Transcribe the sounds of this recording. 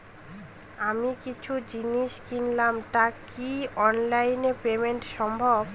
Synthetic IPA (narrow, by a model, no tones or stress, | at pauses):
amikit͡ɕʰud͡ʑiniʃkinlamʈakiɔnlajnepemeɳʈʃɔmbʱob